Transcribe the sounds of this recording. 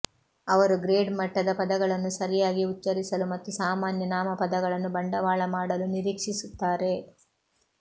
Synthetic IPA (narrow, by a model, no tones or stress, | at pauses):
ɐʋɐɾuɡɾeːɖmɐʈːɐd̪ɐpɐd̪ɐɡɐɭɐnːusɐɾijaːɡiutːɐɾisɐlumɐt̪ːusaːmaːnjɐnaːmɐpɐd̪ɐɡɐɭɐnːubɐɳɖɐʋaːɭɐmaːɽɐluniɾiːkʂisut̪ːaːɾe̞